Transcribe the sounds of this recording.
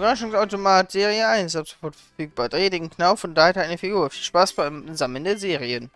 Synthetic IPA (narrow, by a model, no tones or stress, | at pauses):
bʁaʃʊŋsaʊtomaːtz̥eːʁiəaɪnsʔapz̥o̥fɔɐtfɛɐfyːk̚b̥aːdʁaɪdɪŋ̩kʰnaʊfɔndaːhɛtaɪnəfiɡuːɐfiːlʃpaːsb̥aɪmzaməl̩ndeːɐzeːʁiən